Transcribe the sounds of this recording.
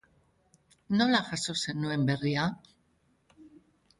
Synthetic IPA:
no̞laʝaso̞se̞nue̞mbe̞ria

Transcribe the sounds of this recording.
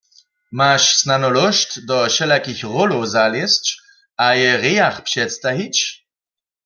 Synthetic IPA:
maʃsnanɔlɔʃtd̪ɔʃɛlakixʁɔlowzaljɛst͡ʃ | ajɛʁɛjaxpʃɛt̪st̪aɦit͡ʃ

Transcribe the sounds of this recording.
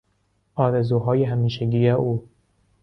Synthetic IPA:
ʔɒːɾezuːɦɒːjeɦæmiːʃeɟʲiːjeʔuː

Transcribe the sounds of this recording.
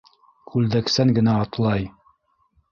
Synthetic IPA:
kʰʉld̪æksæŋɡɘ̆næɑt̪lˠɑj

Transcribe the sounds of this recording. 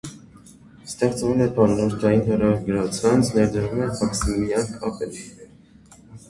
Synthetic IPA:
st̪ɛχt͡svɛlɛpɑnːɔɾt̪ʰɑjinɦɛrɑɡəɾɑt͡sʰɑnt͡sʰnɛɾd̪əɾumɛmɑksimijɑnkʰɑpɛliɛɾ

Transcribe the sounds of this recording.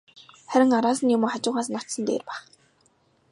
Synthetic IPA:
χæɾʲɪ̆ŋaɾaːsə̆njʊmoːχat͡ɕʊːʁaːsnɔt̪sə̆nt̪ḛːrpæːχ

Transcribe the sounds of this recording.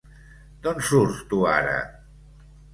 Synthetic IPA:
d̪ɔnsuɾst̪ua̰ɾə̰

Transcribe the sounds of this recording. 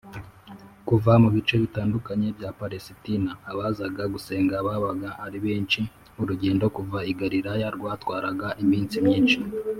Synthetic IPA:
kuvamuβit͡ʃe̞βitaːndukaɲe̞bɟapaɾesitinaːβazaɡaɡuse̞ːŋɡaβaβaɡaʔaɾiβeːnt͡ʃi | uɾuɟe̞ːndo̞kuvaiɡaɾiɾajaɾɡwaːtwaːɾaɡaʔimiːnt͡simɲiːnt͡ʃi

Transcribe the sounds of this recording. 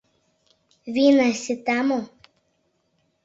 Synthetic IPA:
ʋʲiːnasʲɪt̪amo

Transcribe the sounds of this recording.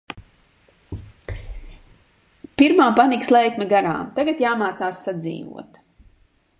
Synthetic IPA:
piɾmaːmpanikslˠɛjkmʲɛɡaɾa̰ːmt̪aɡat̪jaːmaːt̪saːsːad̪zḭːvṵɔt̪

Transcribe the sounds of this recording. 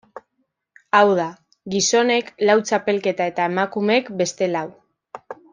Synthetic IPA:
awð̞a | ɡiso̞ne̞klawt͡ʃape̞lke̞t̪ae̞t̪ae̞makumee̞kbe̞st̪e̞law

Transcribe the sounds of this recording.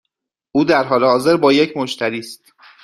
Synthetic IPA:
ʔuːd̪æɾɦɒːlehɒːze̞ɾbɒːje̞cʰmoʃt̪ʰæɾiːst̪

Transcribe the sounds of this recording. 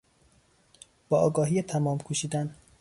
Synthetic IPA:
b̥ɒːʔɒːɡɒːɦijet̪ʰæmɒːmkʰuːʃiːd̪æn

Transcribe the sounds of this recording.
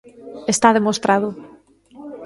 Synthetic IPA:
est̪aðemost̪ɾaðʊ

